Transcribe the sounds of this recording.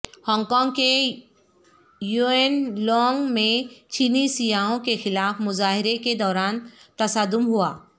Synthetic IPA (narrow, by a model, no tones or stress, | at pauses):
hɔ̃ːŋɡkɔ̃ːŋɡke | juenlɔːŋɡmẽt͡ʃiːnisijaːõkexɪlaːfmʊzaːɦɪɾeked̪ɔːɾaːnt̪ɐsaːd̪ʊmɦuaː